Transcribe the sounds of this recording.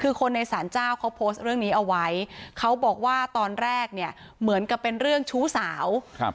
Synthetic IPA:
kʰɯː˧kʰo˧nːa˧jsaː˩˦nt͡ɕaː˥˩wkʰa˦˥wpʰoː˦˥st̪̚ɾɯ˥˩əŋniː˦˥ʔa˧wa˦˥jkʰa˦˥wbɔː˨˩k̚waː˥˩t̪ɔː˧nɾɛː˥˩k̚ni˥˩ə | mɯ˩˦ənka˨˩pːe˧nɾɯ˥˩əŋt͡ɕʰuː˦˥saː˩˦wʰ

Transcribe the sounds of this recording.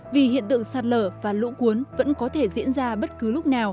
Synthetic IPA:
vi˨˩hḭ˧˨ənt̪ɨ̰˧˨əŋsaː˨˧˩t̚ləː˧˩vaː˨˩lṵ˧˥ku˨˦ənvə̰˧˥nkɔ˨˦t̪ʰe˧˩zḭ˧˥ənzaː˧ɓə˦˥t̚kɨ˨˦lʊ˦˥k͡p̚naː˨˩w

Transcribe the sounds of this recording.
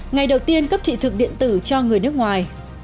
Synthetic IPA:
ŋa˨˩jɗə˨˩wt̪i˧ənkə˦˥p̚t̪ʰḭ˧˨t̪ʰɨ˨˩k̚ɗḭ˧˨ənt̪ɨ˧˩t͡ɕɔ˧ŋɨ˨˩əjnɨ˦˥ək̚ŋwaː˨˩j

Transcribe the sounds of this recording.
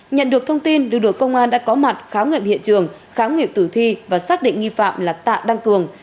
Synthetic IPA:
ɲə̰˧˨nɗɨ˨˩ək̚t̪ʰə˧wŋ͡mt̪i˧nlɨ˨ɗɨ˨˩əkə˧wŋ͡mʔaː˧nɗa̰ː˧˥kɔ˨˦ma˨˩t̚xaː˨˦wŋwḭ˨˧˨əmhḭ˧˨t͡ɕɨ˨˩əŋ | xaː˨˦wŋwi˨əm̚t̪ɨː˧˩t̪ʰwi˧vaː˨˩saː˦˥k̚ɗḭ˧˨ŋ̟ŋi˧fa̰ː˧˨mlaː˨˩t̪a̰ː˧˨wɗa˧ŋkɨ˨˩əŋ

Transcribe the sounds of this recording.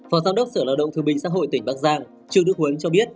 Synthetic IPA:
fɔ˨˦zaː˧wŋ͡mɗə˦˥k͡p̚səː˧˩laː˧˩wɗə̰˧˨wŋ͡mt̪ɨ˨˩ɓï˨˩ŋ̟sa̰ː˧˥ɦo̰˧˨jt̪ï˧˩ŋ̟ɓaː˦˥k̚zaː˧ŋ | t͡ɕɨ̰˧˨ɗɨ̰˧˥k̚hu˨˦ənt͡ɕɔ˧ɓi˦˥ət̚

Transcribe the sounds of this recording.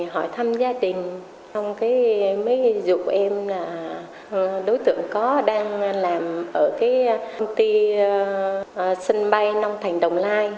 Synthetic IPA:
ɦɔ˧˩jt̪ʰa˧mzaː˧ɗï˨˩ŋ̟ | t͡ɕɔ˧wŋ͡mkaː˨˦jmə˨˦jzṵ˧˨ʔɛ˧mlaː˨˩ | ɗo˨˦jt̪ɨ̰˧˩˨əŋkɔ˨˦ɗaː˧ŋlaː˨˩mʔəː˧˩kaː˨˦jwŋ͡mt̪i˧ | sə˧nɓa˧jna˧wŋ͡mt̪ʰa˨˩jŋ̟ɗə˨˩wŋ͡mlaː˧j

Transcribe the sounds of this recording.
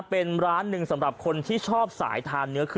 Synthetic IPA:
pe˧nɾaː˦˥nːɯ˧ŋsa˩˦mɾa˨˩p̚kʰo˧nt̪ʰiː˥˩t͡ɕʰɔː˥˩p̚sa̰ː˩˦jt̪ʰaː˧nːɯ˦˥ɐkʰ

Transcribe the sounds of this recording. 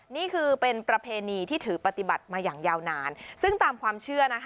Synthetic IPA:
niː˥˩kʰɯː˧pe˧npɾa˧pʰeː˧niː˧t̪ʰiː˥˩t̪ʰɯː˩˦pa˧t̪i˨˩ba˨˩t̪̚maː˧jaː˨˩ŋjaː˧wnaː˧nsɯ˥˩ŋt̪aː˧mkʰwaː˧mt͡ɕʰɯ˥˩ɐna˦˥kʰ

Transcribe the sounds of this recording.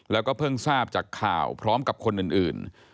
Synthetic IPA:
lɛː˦˥wkɔː˥˩pʰɤ˥˩ŋsaː˥˩p̚t͡ɕaː˨˩kʰːa̰ː˨˩wpʰɾɔː˦˥mka˨˩p̚kʰo˧nʔɯː˨˩nʔɯː˨˩n

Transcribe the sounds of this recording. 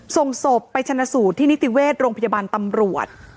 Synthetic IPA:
so˨˩ŋso˨˩pːa˧jt͡ɕ̪ʰa˧nːa˧suː˨˩t̪ʰːiː˥ni˦˥t̪i˨˩weː˥˩t̪̚ɾoː˧ŋpʰa˧ja˧baː˧nt̪a˧mɾu˨˩ət̪̚

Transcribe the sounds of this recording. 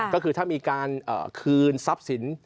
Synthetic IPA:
kɔː˥˩kʰɯː˧t̪ʰaː˥˩miː˧kaː˧nʔə̰ː˨˩kʰɯː˧nsa˦˥p̚si˩˦n

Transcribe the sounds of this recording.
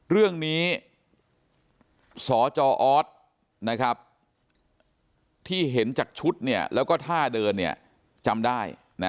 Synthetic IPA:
ɾɯ˥˩əŋniː˦˥ | sɔː˩˦t͡ɕɔː˧ʔɔː˦˥t̪̚ | na˦˥kʰɾa˦˥p̚ | t̪ʰiː˥˩ɦe˩˦nt͡ɕaː˨˩k̚t͡ɕʰu˦˥t̪̚ni˥˩ɐlʔɛː˦˥wkɔː˥˩t̪ʰaː˥˩dɤː˧nːi˥˩ɐ | t͡ɕa˧mdaː˥˩j | na˦˥

